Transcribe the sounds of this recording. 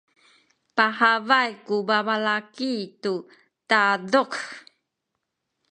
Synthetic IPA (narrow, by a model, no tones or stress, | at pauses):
pahavajkubavalakitu | taduk